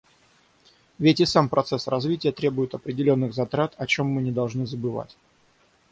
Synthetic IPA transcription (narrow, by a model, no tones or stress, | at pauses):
vʲetʲɪsampɾʔɐt̪sɛsrɐzvʲitʲɪjət̪ɾʲe̞bʊjɪt̪ɐpɾʲɪdʲɪlʲo̞nːɨɣzɐt̪ɾat̪ɐt͡ɕo̞mːɨnʲɪd̪ɐlˠʐnɨzəbɨva̰tʲ